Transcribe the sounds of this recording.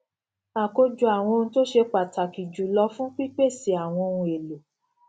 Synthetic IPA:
a˨ko˧d͡ʒu˨a˨w̃ɔ̃˧ñ̩˧to˦ʃe˧k͡pa˨ta˨ki˨d͡ʒu˨˦lɔ˧fũ˦k͡pi˦k͡pe˦˨si˨˦a˨w̃ɔ̃˧ũ˧e˨lo˨

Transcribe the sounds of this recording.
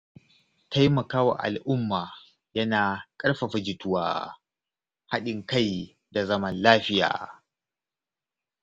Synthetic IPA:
ta˦jmɐ˨kaː˦wa̰˨ʔa̰˨lʔʊ˦mːaː˨ | jɐ˦naː˨kʼɐ˦ɽɸa˨ɸɐ˨d͡ʒɪ˨tʊ˦wa̰ː˦ | ha˦ɗɪ˨ŋka˦˨j | da˨zɐ˦mɐ˦nlaː˦ɸɪ˦ja̰ː˨

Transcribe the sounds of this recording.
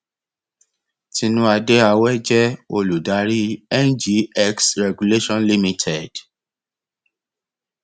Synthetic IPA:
ti˧nũ˦a˧de˦a˧wɛ˦d͡ʒɛ˦o˧lu˨da˨˦ɾi˦ɛ˦nd͡ʒi˨˦ɛ˦ksɾɛ˨ɡu˨le˦ʃɔ̃˦nli˦mĩ˧tʰɛ˨d̥

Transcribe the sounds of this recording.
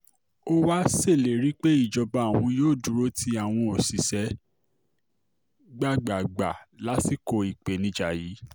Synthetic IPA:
o˦wa˦se˦˨le˨ɾi˨˦k͡pe˦i˦˨d͡ʒɔ˧ba˧˦˨w̃ɔ̃˧joː˦˨du˨˦ɾo˦ti˧˦a˨w̃ɔ̃˧o˨si˨sɛ˨˦ | ɡ͡ba˦˨ɡ͡ba˨ɡ͡ba˨la˨˦ti˦˨ko˧i˨k͡pe˨nĩ˨˦d͡ʒa˧˨ji˨˦

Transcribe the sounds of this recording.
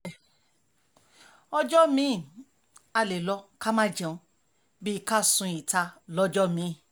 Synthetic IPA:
ɔ˧d͡ʒɔ˦mĩ˨˦˨ | a˧le˨lɔ˧ka˦mã˦˨d͡ʒɛ̃˨ũ˧ | bi˦ka˦˨sũ˧i˨ta˧lɔ˦d͡ʒɔ˦mĩ˨˦˨

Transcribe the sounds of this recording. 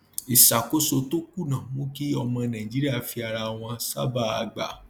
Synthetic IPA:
i˨sa˨ko˦so˧to˦ku˦˨nã˨mõ˦ki˦ɔ˧mɔ̃˧nã˨i˨d͡ʒi˦ɾi˦a˦˨fi˧a˨ɾa˧w̃ɔ̃˧sa̰˦ba˦˨a̰˧ɡ͡ba̰˨

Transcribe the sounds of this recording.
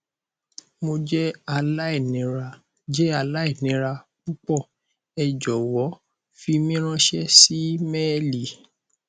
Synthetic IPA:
mo˧d͡ʒɛ˦a˧la˦i˦˨nĩ˨˦ɾa˧ | d͡ʒɛ˦a˧la˦i˦˨nĩ˨˦ɾa˧k͡pu˦k͡pɔ˦˨ | ɛ˨d͡ʒɔ˨wɔ˨˦ | fi˧mĩ˦ɾ̃ã˦ʃɛ˦si˦mɛ˦li˨

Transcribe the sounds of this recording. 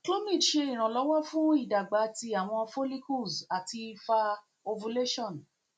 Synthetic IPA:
klo˦mĩ˦˨ʃe˧i˨ɾ̃ã˨lɔ˨˦wɔ˦fũ˦i˦˨da˨ɡ͡ba˨˦˨ti˧a˨w̃ɔ̃˧fo˦li˦ku˦˨sa˨ti˧fa˧ | o˧vu˧le˦ʃɔ̃˦˨n

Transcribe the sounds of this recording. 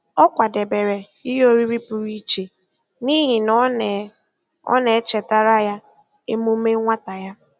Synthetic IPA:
ɔ˦kʷa˨de˨be˨ɾe˨ | i˦ɦo˦ɾi˦ɾi˦pu˨ɾi˦t͡ʃe˨ | ni˦ɦi˨nɔ˦˨ | ɔ̰˦ne˨˦t͡ʃe˨ta˦ɾa˦ja˦ | e˦mu˦me˦ŋʷa˦ta˨ja˦

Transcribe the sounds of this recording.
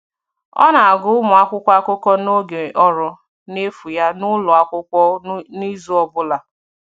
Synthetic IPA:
ɔ̰˦na˨a˨ɡʊ˦ʊ˦mʊ˨a˦kʷʊ˦kʷa˦kʷʊ˦kɔ˦no˦ɡe˨ʔɔ˦ɾɔ˨ | ne˦fu˨ja˦nʊ˦lʊ˨a˦kʷʊ˦kʷɔ˦ni˦zu˦ɔ˦bʊ˦la˨

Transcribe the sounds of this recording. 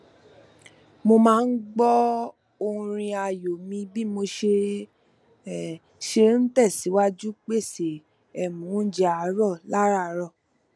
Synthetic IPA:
mo˧mãː˦˧n̩˦ɡ͡bɔ˦ | o˧ũ˧ɾ̃ĩ˧a˧˨jo˨mĩ˧bi˦mo˧ʃe˧˨ | ʃe˧n̩˦tɛ˦˨si˨˦wa˦d͡ʒu˦k͡pe˦˨se˨ | ɛ˨mũ˨˦d͡ʒɛ˧a˨˧˨ɾɔ˦˨la˦ɾa˦˨˦ɾɔ˦˨

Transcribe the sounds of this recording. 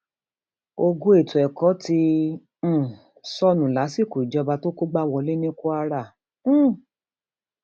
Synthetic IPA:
o˧ɡu˦e˦˨tu˨ɛ˨kɔ˨˦tĩ˧˦˨ | sɔ˦nũ˨la˨˦si˦˨ku˨i˨d͡ʒɔ˧ba˧to˦ko˦ɡ͡ba˦wɔ˧le˦nĩ˦ku˦a˧ɾã˦˨˦

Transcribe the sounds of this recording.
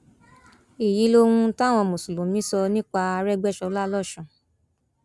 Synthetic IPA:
i˨ji˨˦lo˧˦hũ˧˦ta˦˨w̃ɔ̃˧˨mõ˨su˨lõ˨˦mĩ˨˦sɔ˧nĩ˦k͡pa˧a˧ɾɛ˦ɡ͡bɛ˦ʃɔ˧˦la˦lɔ˦˨ʃɔ̃˨

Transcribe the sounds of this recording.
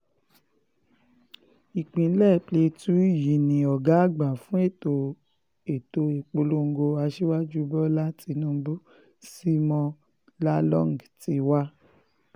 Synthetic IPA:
i˨k͡pĩ˨˦lɛ˦˨ple˧tu˨˦˨ji˨nĩ˨˧ɔ˨ɡa˨˦a˦˨ɡ͡ba˨fũ˦e˦˨to˧ | e˨to˧e˨k͡po˧lo˦ŋ̩˦ɡo˧a˧ʃe˦wa˦d͡ʒu˦bɔ˦la˦ti˧nũ˦bu˦ | si˦mɔ̃˧ | la˦lɔ̃˦ŋ˨ɡti˨˧wa˦

